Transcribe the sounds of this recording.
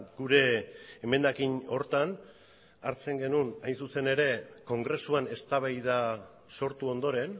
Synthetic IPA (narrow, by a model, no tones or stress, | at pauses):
ɡ̥uɾe̞ːme̞nd̪akino̞ɾt̪an | aɾt͡se̞ŋɡe̞nunajnsuse̞ne̞ɾe̞ko̞ŋɡɾe̞suane̞st̪aβ̞ajða | so̞ɾt̪uo̞nd̪o̞ɾe̞n